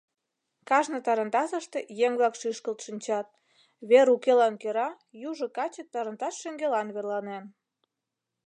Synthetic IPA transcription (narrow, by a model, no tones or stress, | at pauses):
kɑʒnɤ̆t̪ɑɾənt̪ɑsə̆ʃt̪ejeŋβlɑkʃiʃkəlt̪ʃinʲt͡ɕɑt̪̚ | βeɾukelɑnkeɾɑ | juʒŏkɑt͡ɕətt̪ːɑɾə̆nt̪ɑt̪ʃeŋɡelɑnβerlɑnen